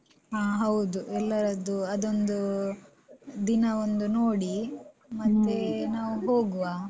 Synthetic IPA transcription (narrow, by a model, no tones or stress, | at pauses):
ɦaːɦɐwud̪uʔɛlːɐɾɐd̪uɐd̪o̞nd̪u | d̪inɐond̪unoːɽi | mɐt̪ːenaːʋuɦoːɡuʋaː